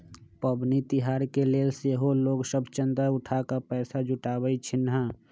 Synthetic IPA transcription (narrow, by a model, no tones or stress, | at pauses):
pəbnit̪ɪɦaːɾkeleːlseɦoloːɡsəbʱt͡ʃə̃nd̪ɾaʊʈʰakapɛːsad͡ʒʱʊʈaːbəit͡ʃʰɪnɦa